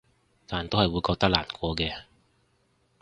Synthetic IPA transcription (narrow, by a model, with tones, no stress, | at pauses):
t̪aː˨nt̪o˥whɐ˨jwuː˨˧jkɔː˧k̚t̪ɐ˥k̚la̰ː˨˩nkʷɔː˨˧kɛː˧